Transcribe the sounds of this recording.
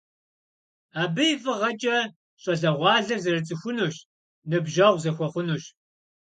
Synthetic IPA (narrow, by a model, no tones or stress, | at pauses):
aːbɨjfʼɨʁɐt͡ʃʼɐ | ɕʼɐɮɐʁʷɑːɮɐrzɨrɨt͡sʼɨxʷʊnuːɕ | nɨbʒɐʁʷzɐxʷɔχʷʊnuɕ